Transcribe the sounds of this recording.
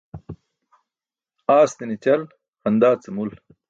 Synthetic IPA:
aːst̪init͡ɕɐl | hɐnd̪aːt͡sɐmul

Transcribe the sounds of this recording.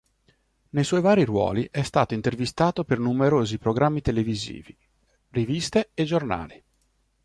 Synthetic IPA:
nejswɔjvaːɾirwɔ̰ːliʔɛst̪aːt̪oint̪ervist̪aːt̪opernumeɾoːzipɾoɡɾamːit̪elevizḭːvi | rivist̪eed͡ʒorna̰ːli

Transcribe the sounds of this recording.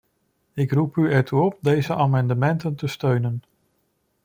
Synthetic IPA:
ɪkrupyɛɹtuɔp̚dejzəʔaːmɑndəmɛntəntəstøɥnən

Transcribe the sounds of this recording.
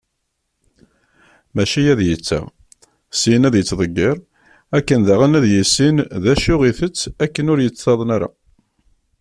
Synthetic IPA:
mæʃijæðjət͡sːa̰ | sinæðjət͡sːðˤəɡːɪɾˤ | ækːənðæʁənæðjəsːinðæʃʊʁiθət͡sːækːənʊɾjət͡sːθɑðˤənæɾa̰

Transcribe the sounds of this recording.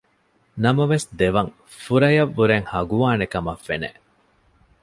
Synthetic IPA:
nɐmɐʋesd̪eʋɐŋ | fuɾɐjɐʋːuɾeŋhɐɡuʋaːnekɐmɐfːenḛ

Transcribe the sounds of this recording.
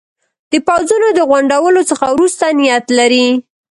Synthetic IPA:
d̪̥əpawzunod̪əɣwaɳɖawəlosəxawɾust̪anɪjat̪laɾi

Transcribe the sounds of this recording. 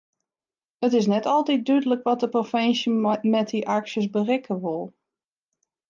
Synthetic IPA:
ətɪs̬nɛtʰɔlˠtit̚dydələkʋɔt̚dəprofɛnsəmɛt̚iʔaksjəsbərɪkʰəʋʊlˠ

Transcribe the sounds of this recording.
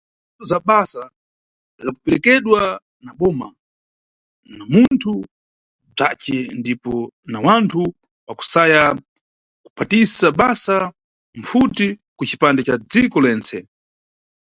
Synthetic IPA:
ɔzaɓasa | zakupɛɾɛkɛɗwa | naɓɔːma | namuntʰu | b͡ʐat͡ʃɛndipɔnawantʰu | waku̥saja | ku̥pʰatisaɓasa | m̩futikut͡ʃi̥pandɛt͡ʃad͡zikɔlɛːnt͡sʰɛ

